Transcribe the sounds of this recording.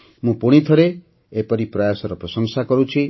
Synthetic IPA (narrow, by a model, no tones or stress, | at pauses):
mũpuɽ̃it̪ʰɔɾe | epɔɾipɾɔjasɔɾɔpɾɔsɔŋsakɔɾut͡ʃʰi